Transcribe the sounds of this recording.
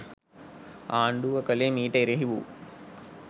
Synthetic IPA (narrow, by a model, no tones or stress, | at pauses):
aːɳɖuʋɐkɐlemiːʈɐiɾɐɦiʋṵ